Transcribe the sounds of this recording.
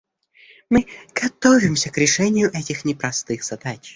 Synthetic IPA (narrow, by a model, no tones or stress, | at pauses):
mɨɡ̥ɐt̪ovʲɪmsʲəkɾʲɪʂɛnʲɪjʊʔɛtʲɪxnʲɪpɾɐst̪ɨxz̥ɐd̪at͡ʃ